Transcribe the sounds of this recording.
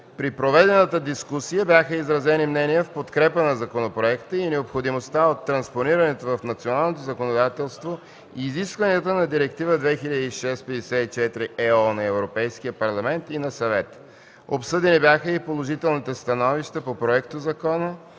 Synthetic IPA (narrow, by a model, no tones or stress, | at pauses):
pɾipɾovɛd̪ɛnət̪əd̪iskusijəbjaxəizɾɐzɛnimnɛnijəfpot̪kɾɛpənɐzɐkonopɾoɛkt̪əinɛopxod̪imost̪aot̪ːɾɐnsponiɾənɛt̪ovɐfnɐt̪sionalˠnot̪ozɐkonod̪at̪ɛlˠst̪vo | iiːziskvəniət̪ənɐd̪iɾɛkt̪ivəd̪vɛxiʎʲəd̪iiʃɛst̪pɛd̪ɛsɛit͡ʃɛt̪iɾiʔɛɔnɐɛvɾopɛjsk̟ijəpɐɾlˠɐmɛnt̪inɐsɐvɛt̪ə̥ | o̰psɤd̪ɛnibjaxəipolˠoʒit̪ɛlˠnit̪ɛst̪ɐnɔviʃt̪əpopɾoɛkt̪ozɐkɔnə